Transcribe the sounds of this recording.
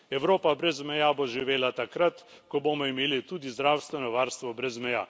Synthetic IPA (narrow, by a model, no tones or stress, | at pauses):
ɛwɾoːpabɾɛzmɛjaːboʒiʋeːlat̪akɾat̪ | kɔboːmɔimeːlit̪uːd̪izd̪ɾaːwst̪ʋɛnɔʋaːɾst̪ʋɔbɾɛzmɛja̰ː